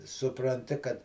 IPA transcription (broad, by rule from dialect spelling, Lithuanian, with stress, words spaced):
sʊprɐnʲˈtʲɪ kɐt